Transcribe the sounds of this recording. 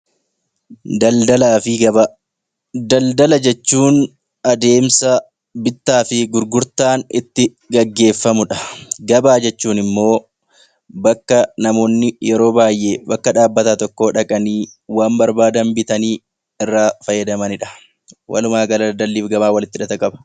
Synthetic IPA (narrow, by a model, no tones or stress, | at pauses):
d̪ɐld̪ɐlaːfɪɐɐ | d̪ɐld̪ɐlɐd͡ʒɛt͡ʃːuːn | ɐd̪e̞ːmsɐ | bɪt̪ːaːfɪɡʊɾɡʊɾt̪aːnɪ̰t̪ːɪ | ɡɐɡːe̞ːfːɐmʊᶑɐ̥ɡɐbaːd͡ʒɛt͡ʃːuːnɪmːo̞ː | bɐkːɐnɐmo̞ːnːɪjɛɾo̞ːbaːjʔe̞ːbɐkːɐᶑaːbːɐt̪aːt̪ɔkːo̞ːᶑɐkʼɐniːwaːmbɐɾbaːd̪ɐmbɪt̪ɐniː | ɪrːaːfɐjːɐd̪ɐmɐnɪᶑɐ̥ | wʔɐ̰lʊmaːɡɐlɐd̪ɐlːiːfɡɐbaːwɐlɪt̪ːɪᶑɐt̪ɐkʼɐbɐ̥